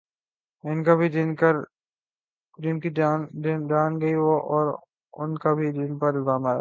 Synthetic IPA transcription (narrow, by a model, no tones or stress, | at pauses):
ɪnkabʱidɪnkɐɾ | d͡ʒɪnkiɪnɖaːnɡɐiʋoʔɔːɾ | ʊ̰nkabʱidɪnpɐɾbaːmaɾa̰